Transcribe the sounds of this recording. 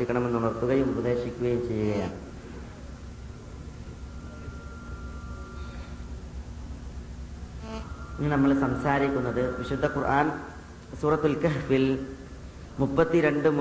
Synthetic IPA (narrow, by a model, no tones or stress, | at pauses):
ikʲːɐɳɐme̞nːunɐrt̪ːuɣɐjumubɐd̪e̞ːɕikʲːuɣɐjumt͡ɕe̞jːuɣɐjaːɳɨ | inːinɐmːɐɭsɐmsaːɾikʲːunːɐðɨʋiɕud̪ʱːɐkurʔaːn | suːrɐt̪ːulkɐɦfil | mupːɐt̪ːiɾe̞ɳɖɨm